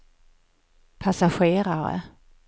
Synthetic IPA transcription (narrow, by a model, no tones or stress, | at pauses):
pʰasaɧeːɾaɾə̰